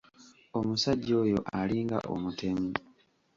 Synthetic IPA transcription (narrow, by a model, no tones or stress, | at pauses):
omusaɟːo̞ːjo̞ʔaliːŋɡa̰ʔo̰mutʰe̞mi